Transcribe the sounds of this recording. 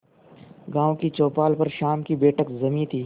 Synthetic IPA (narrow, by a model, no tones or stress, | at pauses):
ɡãːõkit͡ʃoːpaːlpɐɾʃaːmkibeːʈəkzɐmĩːt̪ʰiː